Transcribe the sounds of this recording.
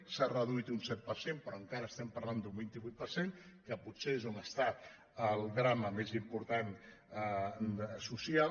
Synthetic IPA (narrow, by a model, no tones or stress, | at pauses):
sarəð̞uit̪unsɛt̪̚pəɾsempɾɔəŋkaɾəːst̪ɛmpəɾland̪umbint̪iβuit̪̚pəɾsenkəpuseezonəst̪a | əlˠðɾaməmezimpuɾt̪an | susia